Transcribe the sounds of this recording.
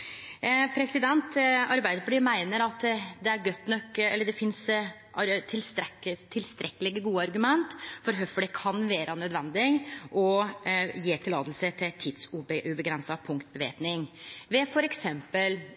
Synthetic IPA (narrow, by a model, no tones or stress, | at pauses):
pʰɾɛsɪd̪ɛnt̪ɑɾbæɪd̪əɾfɔɖiːmæɪnəɾɑt̪d̪ɛæɾɡœt̪ːnɔkːɛlːəɖɛfɪns | ʔɑɾt̪ʰɪlst̪ɛət̪ʰːɪlst̪ɾɛkːəlɪɡəɡuːəɑɾɡʉmɛnt̪fɔɾɦœfəɖɛkʰɑnʋeːɾʔɑnœd̪ʋɛnd̪ɪɡʔɔ | jeːt̪ʰɪlːɑːd̪lsət̪ʰɪt̪ʰɪd̪sʉbʉbəɡɾɛnsɑpʰʊŋkt̪̚bəʋḛːpnɪŋʋɛfɔɾɛksɛmpəl